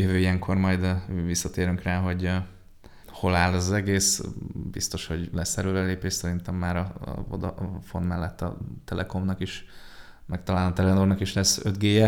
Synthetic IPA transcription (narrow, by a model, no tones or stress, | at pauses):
jøvøːijɛŋkʰo̞rmɒjd̪visːɒt̪eːɾyŋkraːɦo̞ɟ | ho̞laːlɒzɛɡeːsbḭst̪o̞ʃho̞ɟlɛsːɛɾøːɾɛleːpeːʃsɛɾint̪ɛmːaːɾɒ̰vo̰d̪ɒ̰fo̞nmɛlːɛt̪ːɒ̰t̪ɛlʔɛko̞mnɒkiʃ | mɛk̚t̪ɒlaːlnt̪ɛlɛnornɒkiʃlɛsːød̪ɡeːjɛ